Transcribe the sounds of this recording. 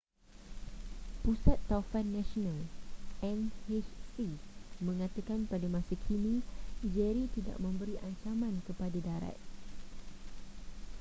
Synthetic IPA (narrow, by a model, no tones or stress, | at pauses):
pusat̪ːaufanːãʃonalʔɛ̃nhet͡ʃsimə̃ŋãt̪əkanpadamãsakʰinĩd͡ʒɛɾit̪ida̰ʔmə̃mbəɾiʔaɲt͡ʃamãnkəpadadaɾa̰t̪̚